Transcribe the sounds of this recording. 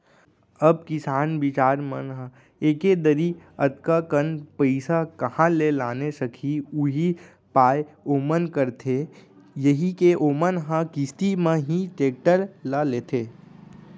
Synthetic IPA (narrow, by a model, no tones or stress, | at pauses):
əb̚kɪsaːnʋɪt͡ʃaːɾmənɦə̃ | eːked̪əɾiət̪kakənpəɪsakɐhãlelaːnesəkʰiuɦi | paːjoːmənkəɾt̪ʰe | jəɦikeʔoːmənɦãkɪst̪imẽɦĩʈeːk̚ʈəɾlaleːt̪ʰeː